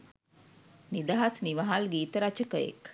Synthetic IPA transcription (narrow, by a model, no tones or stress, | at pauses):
nid̪aɦasniʋaɦalɡiːt̪əɾat͡ʃəkəjḛk